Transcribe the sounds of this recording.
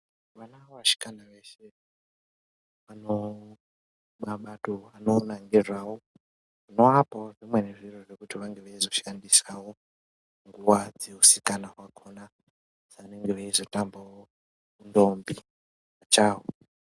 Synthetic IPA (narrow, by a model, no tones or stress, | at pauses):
ʋanawaʃi̥kanaʋe̞ʃe | ʋano | ɓaɓatoanonaŋɡirwawo | uno̞apawoʐimweneʐiroʐekutiʋaŋɡeʋaizo̞ʃandisawo | ŋɡuwad͡ze̞usi̥kanaɦwakʰona | z̥aneŋɡeʋaizo̞tambawo | kundombi | at͡ʃaːwo